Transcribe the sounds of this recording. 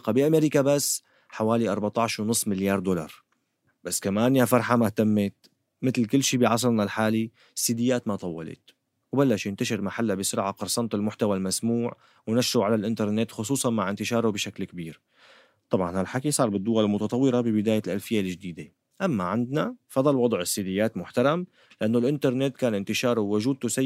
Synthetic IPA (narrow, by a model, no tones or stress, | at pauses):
qɑbiʔameːɾikabasː | ħawaːliʔɑɾˤbat̪ˤɑʕʃwnʊsˤːmɪljɑːɾˤd̪olɑ̰ɾˤ | b̥asːkamaːnjafɑɾˤħamaht̪amːɪt̪̚ | mɪt̪lkɪlːʃiːbiʕɑs̬ˤɑɾˤnalħaːli | sːiːd̪ɪjːaːt̪mat̪ˤɑwːɑlḛt̪ | wbalːaʃjɪnt̪aʃɪɾmaħalːabɪsʊɾʕaqɑɾˤsˤɑnt̪ˤɪlmʊħt̪awalmasmuːʕ | wnaʃɾuʕalalʔɪnt̪ɑɾˤnet̪xʊsˤuːsˤɑnmaʕʔɪnt̪ɪʃɑːɾˤobɪʃaklkbiːɾ | t̪ˤɑbʕɑ̰nhalħakisˤɑːɾˤbɪd̪ːʊwalɪlmʊt̪ɑt̪ˤɑwːɪɾɑbɪbɪd̪aːjalʔalfɪjːalɪʒd̪iːd̪e | ʔamːaʕɪnd̪nafɑd̪ˤɑlwɑd̪ˤʕɪsːid̪ɪjːaːt̪mʊħt̪ɑɾˤɑm | lɪʔanːolʔɪnt̪ɑɾˤnet̪kaːnʔɪnt̪ɪʃɑːɾˤʊwwːʊʒuːd̪̚t̪usa